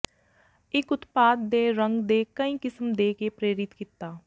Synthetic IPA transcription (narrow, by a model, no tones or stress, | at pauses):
ɪkʊt̪paːd̪̚ːeːɾəŋɡd̪eːkəĩːkɪsmd̪eːkeːpɾeːɾɪt̪kit̪ːaː